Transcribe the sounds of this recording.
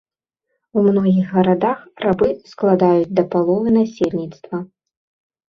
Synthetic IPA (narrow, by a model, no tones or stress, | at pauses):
wmnɔɣʲiɣːɐɾad̪axrabɨsklˠad̪ajud͡zʲd̪ɐpalˠɔvɨnasʲelʲnʲit̪st̪vɐ